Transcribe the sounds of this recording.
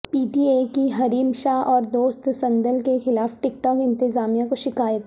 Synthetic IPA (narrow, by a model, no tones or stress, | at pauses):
piːʈiːekiɦɐɾiːmʃaːɦʔɔːɾd̪oːst̪sɐ̃nd̪əlkexɪlaːfʈɪkʈɔːkɪ̃nt̪ɪzaːmijakoʃɪkaːjət̪